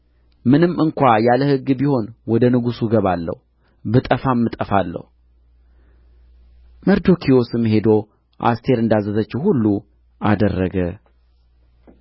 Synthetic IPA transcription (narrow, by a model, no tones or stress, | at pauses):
mɨnɨmɨŋkʷajaləhɨɡːbiho̞nwɔd̪ənɨɡusuɡəβalːə̰hu | bɨt̪ʼəfamːɨt̪ʼəfalːə̰hu | məɾd̪o̞kʰijo̞sɨmhe̞d̪o̞ | ʔa̰st̪ʰe̞ɾɨnd̪azəzət͡ʃːɛwhulːu | ad̪ərːəɡə